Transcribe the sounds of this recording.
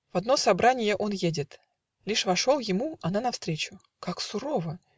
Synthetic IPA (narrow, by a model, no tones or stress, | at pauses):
v̥ɐd̪no̞sɐbɾanʲɪjəʔo̞njedʲɪt̪ | lʲiʂvɐʂolˠjɪmuɐnanɐfst̪ɾʲet͡ɕʊ | kaksʊɾovə